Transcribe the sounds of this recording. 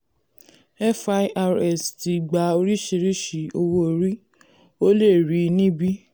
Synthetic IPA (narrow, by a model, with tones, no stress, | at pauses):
ɛ˦fa˧˦ʔa˧ɾɛ˨sti˨ɡ͡ba˨˦o˧ɾi˦ʃe˧ɾi˦ʃi˨o˧wo˦o˨ɾi˦ | o˦le˦˨ɾi˨˦nĩ˦bi˦